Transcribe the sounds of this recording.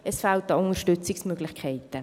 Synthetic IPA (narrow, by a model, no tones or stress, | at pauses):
ɛsfaltɑʊnəʃtʏt͡sɪksmøːɡ̥lɪχkʰɛɪtə